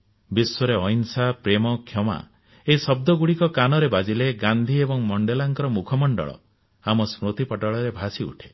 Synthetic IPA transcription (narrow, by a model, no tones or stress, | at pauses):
biswɔɾeɔjnsapɾemɔkʰjɔma̰ | eisɔb̚d̪ɔɡuɽikɔkanɔɾebad͡ʒileɡand̪ʱiebɔŋmɔɳɖelaŋkɔɾɔmukʰɔmɔɳɖɔ̰ɭɔ̰ | amɔsmɾot̪ipɔʈɔɭɔɾebʱasiṵʈʰe̥